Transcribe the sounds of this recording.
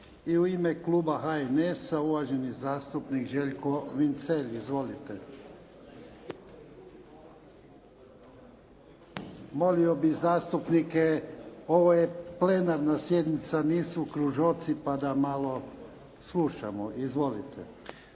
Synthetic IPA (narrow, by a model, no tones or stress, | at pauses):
iuimekluːbaɦaenesauʋaʒenizaːst̪upnikʒeʎkoʋint̪seʎizʋo̞lit̪e | mo̞liobizaːst̪upnikeo̞ʋojeplenaɾnasje̞d̪nit̪saniːsukɾuʒot̪sipad̪amalo | slˠuʃa̰moʔizʋo̞lit̪ʰḛ